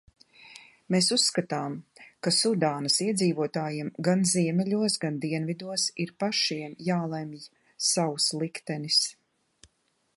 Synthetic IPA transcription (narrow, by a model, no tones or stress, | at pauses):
meːsusːkat̪aːmkasud̪aːnɐsiɛd̪ziːvuɔt̪aːjimɡanziɛmɛʎʲuɔsɡand̪iɛnvid̪uɔsiɾpaʃiɛnjaːlˠɛmj | sawuslˠikt̪ɛnis